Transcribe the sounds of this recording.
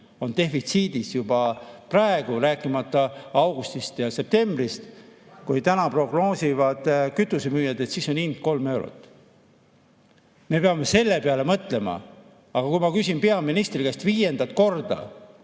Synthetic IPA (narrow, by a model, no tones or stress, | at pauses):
o̞nt̪e̞ffit̪siːd̪isjubɑprɑe̞ɡ̥uɾæːkːˑimɑt̪ːˑɑɑwɡ̥ust̪ist̪jɑse̞p̚t̪e̞mbrist̪ | kujt̪ænɑpro̞ɡ̥no̞ːsivɑd̪̥kyt̪ːˑusemyːjɑd̪et̪siːso̞nind̪̥ko̞lme̞wɾṵt̪ːˑ | me̞peɑmːe̞se̞lːe̞peɑle̞mɤt̪le̞mɑ̰ | ɑɡ̥ɑkujmɑkysʲinpe̞ɑminist̪riɡest̪viːje̞nd̪ɑt̪ːˑko̞rd̪̥ɑ̰